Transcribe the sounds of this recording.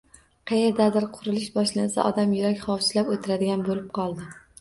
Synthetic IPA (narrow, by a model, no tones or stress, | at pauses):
qʰejeɾd̪ad̪ɪɾqʰʊɾɪlɪʃbɒʃlansa̰ʔɒd̪amjʊɾakʲχɒwt͡ʃʰɪlapot̪ʰɪɾad̪ɪɡʲanbolɪp̚qʰɒlˠd̪ɪ